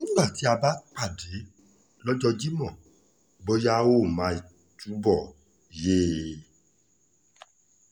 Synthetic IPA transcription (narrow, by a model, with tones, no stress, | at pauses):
n̩˦nã˦˨ti˨˦a˧ba˦k͡pa˦˨de˨˦ | lɔ˦d͡ʒɔ˧d͡ʒi˦mɔ̃˨ | bo˦ja˦˧wo˦˨mã˧i˨ | tu˨˦bɔ˦˨ | je˦